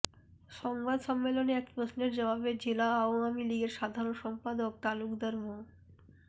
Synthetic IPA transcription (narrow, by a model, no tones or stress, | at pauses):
ʃɔŋbad̪ʃɔmːeloneɛkpɾosneɾd͡ʑɔβabed͡ʑelaaoamiliɡeɾʃad̪ʱaɾonʃɔmpad̪ok̚t̪alukd̪aɾmo